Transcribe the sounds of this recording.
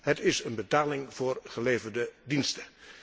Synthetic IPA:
ɦətɪsənbətaːlɪŋvʊːrχəleːvərdədinstə

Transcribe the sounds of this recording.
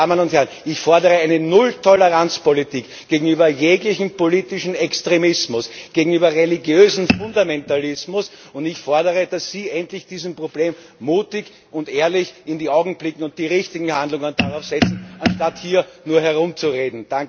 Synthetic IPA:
aːmənʊnthɛɐnɪçfɔɐdəʁəæɪnənʊltʰɔləʁant͡spolitiːk | ɡ̥eːɡŋ̩yːbɐjeːɡlɪçn̩poliːtɪʃn̩ɛkstʁemɪsmʊsɡ̥eːɡŋ̩yːbɐʁelɪɡjøːzn̩fʊndamɛntalɪsmʊs | ʊntɪçfɔɐdəʁəd̥asːiːʔɛntlɪçd̥iːzm̩pʁobleːm | muːtɪk | ʊntʔeːɐlɪçɪndiːaʊɡŋ̩b̥lɪkŋ̩ʊnt̚d̥iːʁɪçtɪɡŋ̩handlʊŋənd̥aʁaʊfz̥ɛt͡sn̩anʃtathiːɐnuːɐɦɛɐʁʊmt͡suʁeːdn̩d̥aŋ

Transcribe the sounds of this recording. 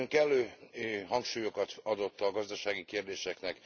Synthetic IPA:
ŋkɛlːøːɦɒŋkʃuːjo̞kɒt̪ɒd̪o̞t̪ːɒɡɒzd̪ɒʃaːɡikeːrd̪eːʃɛknɛk

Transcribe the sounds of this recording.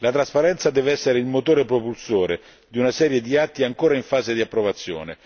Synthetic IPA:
lat̪ɾaspaɾɛnt̪sad̪ɛːveɛsːeɾeilmot̪oːɾepɾopulsoːɾe | d̪iunasɛːɾjed̪iat̪ːiaŋkoːɾaiɱfaːzed̪iapːɾovat̪sːjo̰ːnḛ

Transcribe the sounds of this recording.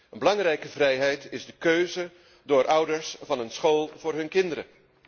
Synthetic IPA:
ənbəlɑŋrɛjkəvrɛjɦɛjtɪzdəkøɥzə | dʊːɹʔʌwdəɹsvɑnənsχoːlˠvʊːɹɦɵnkɪndəɾə̰

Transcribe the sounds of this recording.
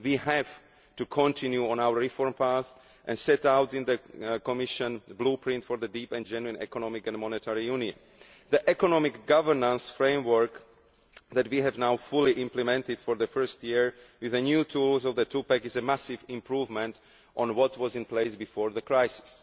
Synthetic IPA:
wiːɦɛv | tukʰɔ̃ntʰĩnjuɔ̃naʊə˞ɹifɔɹmpʰaθ | ʔɛ̰̃nsɛtaʊtĩnðəkɔmɪʃə̃nbluːpʰɹɪ̃ntfɔɹðədiːpɛ̃nd͡ʒɛnuĩnɛ̰kɔnɔmɪkɛ̃nmɔnɛtʰɛɹijũniə̰̃n | ðiʔɛkɔnɔmɪkɡavəɹnə̃nsfɹẽɪ̃mwə˞k | ðɛtwiɦɛvnaʊfuliʔɪ̃mplɛmɛ̃ntɪdfɔɹðəfɜ˞stjiɹwɪðənjuːtʰuːlzɔvðətʰuːpɛkɪzɛmæsɪvĩmpɹuːvmɛ̃nt | ʔɔ̃nwɔtwɔzĩnpleɪsbifɔːɹðəkɹaɪsɪ̥s

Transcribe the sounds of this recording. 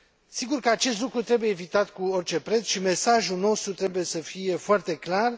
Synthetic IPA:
siɡurkəat͡ʃe̞st̪lukɾut̪ɾe̞buje̞ːvit̪at̪kuo̞rt͡ʃe̞pɾe̞t̪sʃime̞saʒuno̞st̪ɾut̪ɾe̞buje̞səfije̞foart̪e̞klar

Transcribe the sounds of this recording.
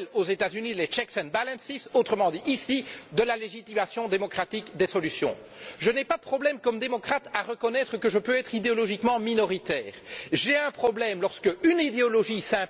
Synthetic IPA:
lozet̪azynilet͡ʃɛksɛnbalɛ̃nsisot̪χəmɑ̃d̪iʔːsid̪əlaleʒit̪imasjɔ̃d̪emɔkχat̪ikd̪esɔlysjɔ̰̃ | ʒənɛpad̪əpχɔblɛmkɔmd̪emɔkχat̪aʁəkɔnɛt̪χəkəʒəpøɛt̪χid̪eɔlɔʒikmɑ̃minɔʁit̪ɛːʁʒeɛ̃pχɔblɛmlɔʁskəynid̪eɔlɔʒisɛ̃

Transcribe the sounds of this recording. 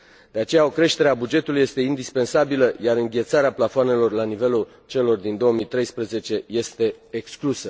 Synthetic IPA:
d̪eat͡ʃe̞jao̞kɾe̞ʃt̪eɾeabud͡ʒe̞t̪uluje̞st̪e̞ind̪ispe̞nsabiləjaɾɨŋɡʲe̞t̪saɾeaplafoane̞lo̞rlanive̞lu | t͡ʃe̞lo̞rd̪ind̪o̞wəmit̪ɾe̞jspɾəze̞t͡ʃe̞je̞st̪e̞ːksklusə

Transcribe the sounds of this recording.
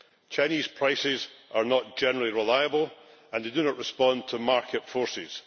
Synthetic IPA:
t͡ʃʰaɪ̃niz̥pʰɹ̥aɪsɪzʔə˞nəʔd̥ʒ̥ɛnəɹl̩ˠiɹɪlˠaɪəbəlˠə̃nðeɪdəñəʔɹɪspɔ̃ntʰəmaɹkʰɪtfɔɹsɪz̥

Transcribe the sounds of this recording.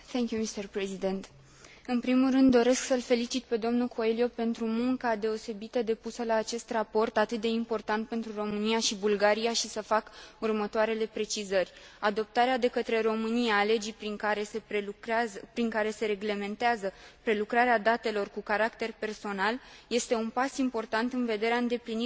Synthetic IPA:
θeŋkʲjumist̪erpɾezid̪e̞nt̪ | ɨnpɾimulrɨnd̪ːo̞ɾe̞sksəlfe̞lit͡ʃit̪̚pe̞d̪o̞mnukʰo̞elijo̞pe̞nt̪ɾumuŋkad̪e̞o̞se̞bit̪əd̪e̞pusəlaːt͡ʃe̞st̪rapo̞rt̪at̪ɨt̪̚d̪e̞impo̞rt̪ant̪̚pe̞nt̪ɾuro̞mɨniaʃibulɡaɾijaʃisəfakurmət̪oaɾe̞le̞pɾe̞t͡ʃizərʲad̪o̞p̚t̪aɾead̪e̞kət̪ɾe̞ɾo̞mɨnijale̞d͡ʒijpɾiŋkaɾe̞sep | pɾiŋkaɾe̞se̞ɾe̞ɡle̞me̞nt̪eazəpɾe̞lukɾaɾead̪at̪e̞lo̞rkukaɾakt̪e̞rpe̞rso̞nalje̞st̪e̞unpasimpo̞rt̪ant̪ɨnve̞d̪e̞ɾeaɨnd̪e̞plini

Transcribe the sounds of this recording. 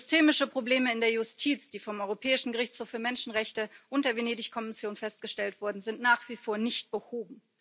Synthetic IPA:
zʏstʰeːmɪʃəpʁ̥obleːməɪndeːɐjʊstʰiːt͡sd̥iːfɔmʔɔʏʁopʰɛːɪʃn̩ɡəʁɪçt͡shoːfyːɐmɛnʃn̩ʁɛçtəʔʊntd̥eɐveneːdɪçkʰɔmɪsjoːnfɛst̚ɡ̥əʃtɛltv̥ʊɐdn̩zɪntnaːχv̥iːfoːɐnɪçt̚b̥əhoːbm̩

